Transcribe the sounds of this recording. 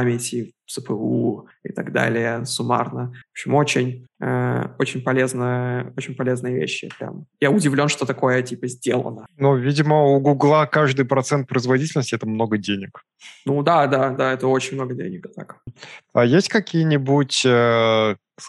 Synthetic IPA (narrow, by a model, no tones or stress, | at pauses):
pamʲɪtʲɪsɨpəuɪ̰t̪ɐɡd̪a̰lʲɪjəsʊma̰rnəvopɕɪmo̞t͡ɕɪnʲə̰o̞t͡ɕɪnʲpɐlʲe̞znəjəo̞t͡ɕɪnʲpɐlʲe̞znɨjəvʲḛɕːɪpɾʲa̰mjaʊdʲɪvlʲo̞nʂt̪o̞t̪ɐko̞jətʲipəzʲdʲelˠə̰nənuvʲidʲɪməuɡuɡlˠakaʐd̪ɨjpɾɐt̪sɛnt̪̚pɾəɪzvɐdʲitʲɪlʲnəsʲtʲɪɛt̪əmno̞ɡədʲenʲɪk | nud̪ad̪ad̪aɛt̪əo̞t͡ɕɪnʲmnoɡədʲḛnʲɪkt̪a̰kajesʲtʲkɐkʲijənʲɪbutʲə